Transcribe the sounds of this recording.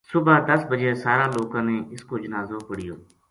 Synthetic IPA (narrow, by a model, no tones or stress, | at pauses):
sʊbad̪əsbəd͡ʒeːsaːɾãːloːkãːneːɪskoːd͡ʒənaːzoːpəɽɪjoː